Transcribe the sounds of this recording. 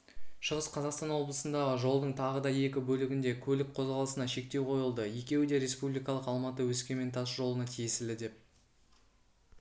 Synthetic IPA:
ʃəʁəsqʰɑzɑqst̪ɑnwo̞blˠəsənd̪ɑʁəʒo̞lˠd̪əɴt̪ʰɑʁəd̪ɑje̞kʲɪbɵlɪɡʲɪnd̪e̞kʲʰɵlɪk̚qʰo̞zʁɑlˠəsənɑʃe̞k̚t̪e̞wqʰo̞jəlˠd̪əje̞kʲe̞wɪd̪e̞ɾe̞spublˠijkɑlˠəqɑlˠmɑt̪əwɵskʲe̞me̞nt̪ʰɑsʒo̞lˠənɑt̪ʰijesɪld̪ɪd̪e̞p̚

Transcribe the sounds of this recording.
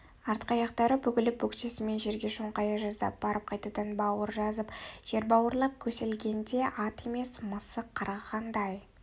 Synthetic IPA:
ɑɾt̪qɑjɑqt̪ɑɾəbʏkʲɪlɪbuksesɪme̞nʒe̞ɾɡʲe̞ʃoɴqɑjɑʒɑzd̪ɑ̰p̚b̥ɑɾəp̚qʰɑjt̪ɑt̪ɑnbɑwəɾʒɑzəpʒ̥e̞ɾbɑwəɾlˠɑp̚kʲʰɵse̞lɡʲe̞nd̪e̞ʔɑt̪e̞me̞sməsəqʰːɑɾɑʁɑnd̪ɑj

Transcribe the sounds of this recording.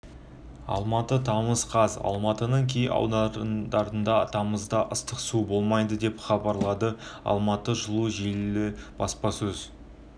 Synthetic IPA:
ɑ̰lˠmɑt̪ət̪ʰɑməzqʰɑzɑ̰lˠmɑt̪ənəŋkʲʰejɑ̰wd̪ɑd̪ɑɾənd̪ɑt̪ʰɑməzd̪ɑʔəst̪əqsubo̞lˠmɑjd̪əd̪e̞pχɑbɑɾlˠɑd̪əɑ̰lˠmɑt̪əʒəlˠuʒellɪb̥ɑspɑsɵz

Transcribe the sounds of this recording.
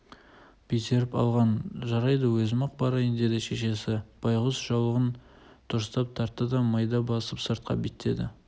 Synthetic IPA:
b̥et̪e̞ɾɪpɑ̰lˠʁɑnʒɑɾɑjd̪əwɵzɪmɑq̚bɑɾɑjənd̪e̞d̪ɪʃe̞ʃe̞sɪb̥ɑjʁəsʒ̥ɑwlˠəʁən | t̪ʰʊɾst̪ɑp̚t̪ʰɑɾt̪ːəd̪ɑmɑjd̪ɑbɑsəpsəɾt̪̚qɑ̰bet̪ʰːe̞̰d̪ɪ̰

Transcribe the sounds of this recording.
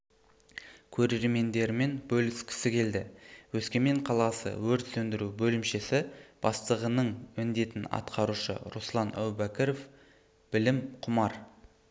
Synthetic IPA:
kʲʰɵɾe̞ɾɾme̞nd̪e̞ɾme̞nbɵlɪskʲʰɪ̥sɪkʲʰe̞ld̪ɪwɵskʲe̞me̞ɴqʰɑlˠɑsə̰wɵɾt̪sɵnd̪ɪɾubɵlɪmʃe̞sɪb̥ɑst̪əʁənəɴmʏnd̪e̞t̪ɪnɑ̰t̪qʰɑɾuʃə̰ɾuslˠɑnʔæ̰wbækʲeɾof | b̥ɪlɪmqʰʊmɑɾ

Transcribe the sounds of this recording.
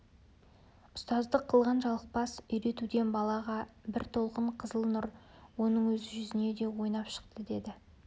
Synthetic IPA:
ʊst̪ɑzd̪əqʰːəlˠʁɑnʒɑlˠəq̚pɑsʏjɾe̞t̪ud̪enbɑlˠɑʁɑbɪɾt̪ʰo̞lˠqəɴqʰəzəlˠnʊɾwo̞nəɴwɵzɪʒʏzɪne̞d̪e̞wo̞jnɑpʃə̥qt̪əd̪e̞d̪ɪ

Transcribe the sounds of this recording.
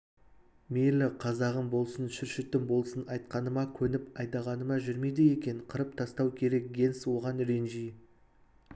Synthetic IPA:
melɪqʰɑzɑʁəmbo̞lˠsənʃʏɾʃɪt̪ːɪmbolˠsənɑjt̪̚qɑnəmɑkʲʰɵnɪpɑjd̪ɑʁɑnəmɑʒʏɾmejd̪ɪe̞kʲe̞ɴqʰəɾəp̚t̪ʰɑst̪ɑwkʲʰe̞ɾe̞k̚ɡʲe̞nswo̞ʁɑnɾe̞nʒij

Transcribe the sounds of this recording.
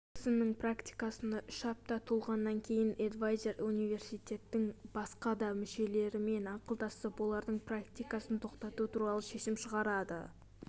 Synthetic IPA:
ɪsɪmnɪŋpʰrakt̪ijkɑsənɑʔʏʃɑp̚t̪ɑt̪ʰolˠʁɑnːɑŋkʲʰe̞jɪned̪vajze̞runijve̞rsijt̪ʲe̞t̪ːɪŋb̥ɑsqɑd̪ɑmɪʃe̞le̞ɾɪme̞nɑqəlˠd̪ɑsəpwo̞lˠɑɾd̪əɴprakt̪ijkɑsənt̪ʰo̞qt̪ɑt̪ut̪ʰuɾɑlˠəʃe̞ʃɪmʃəʁɑɾɑd̪ə̰

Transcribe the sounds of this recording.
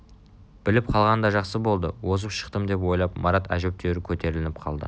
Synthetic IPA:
b̥ɪlɪp̚qʰɑlˠʁɑnd̪ɑʒɑqsəbo̞lˠd̪əwo̞zəpʃə̥qt̪əmd̪e̞p̬wo̞jlˠɑp̚mɑɾɑt̪æ̰ʒep̚t̪ʰeɾɪkʲʰɵt̪e̞ɾɪlɪnɪp̚qʰɑ̰lˠd̪ə̰

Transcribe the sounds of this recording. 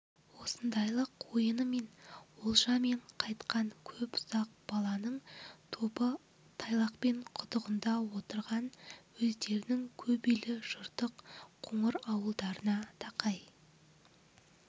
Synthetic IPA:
wo̞sənd̪ɑjlˠəqʰːojənəme̞nwolˠʒɑme̞ɴqʰɑjt̪qɑɴkʲʰɵpʊz̥ɑq̚b̥ɑlˠɑnəɴt̪ʰopə | t̪ʰɑjlˠɑqpe̞ɴqʰʊt̪əʁənd̪ɑwo̞t̪əɾʁɑnwɵzd̪e̞ɾɪnɪŋkʲʰɵbijlɪʒ̥ʊɾt̪əqqʰʊɴəɾɑwəlˠd̪ɑɾənɑt̪ʰɑqɑj

